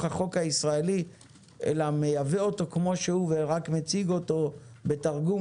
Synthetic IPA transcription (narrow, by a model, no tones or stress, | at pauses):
χaχo̞khaisʁaeli | ʔḛlamejaveo̞to̞kmo̞ʃehuveʁakmet͡siɡo̞to̞be̞taʁɡu